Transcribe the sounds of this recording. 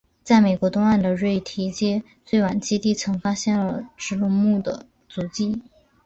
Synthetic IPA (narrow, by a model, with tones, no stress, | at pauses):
t͡sa˥˩ɪme˨˩ɪkwɔ˧˥t̪ʊ˥ŋa˥˩nd̪ə˩ɻwe˥˩ɪt̪ʰi˧˥t͡ɕjɛ˥ | t͡swe˥˩ɪwa˨˩nt͡ɕi˥t̪i˥˩t͡sʰɤ˧˥ŋfa˥ɕjɛ˥˩nlə˩ʈ͡ʂɻ̩˧˥lʊ˥˧ŋmu˥˩d̪ə̰˩ | t͡su˧˥t͡ɕi˥˩